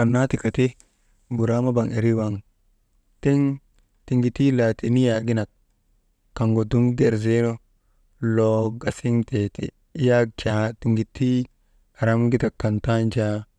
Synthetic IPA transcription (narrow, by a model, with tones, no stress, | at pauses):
a˨nːa˦ti˨ka˨te˦ | bu˨ɾa˦ma˦ba˨ŋe˨ɾi˦wa˨ŋ | te˦ŋ | ti˨ŋɡi˨ti˦la˨ti˨ni˦ja˨ɡi˦na˨t̚ | kːa˨ŋɡo˨du˦ŋɡe˨ɾze˦ɾo˦ | lo˨ɡa˨si˦ŋte˨tḭ˨˦ | ja˦t͡ʃa˨ti˨ŋɡi˨tʰːi˦ | a˨ɾa˦mɡi˦ta˨kːa˨nta˦nd͡ʒa˦